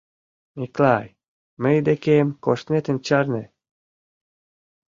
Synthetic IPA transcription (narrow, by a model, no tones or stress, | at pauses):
iklɑj | mə̆jd̪ekejemkoʃt̪net̪ə̆nt͡ɕɑrne